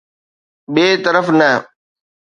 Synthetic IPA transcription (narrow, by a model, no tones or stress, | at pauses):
ɓeːt̪əɾəfnɐɦ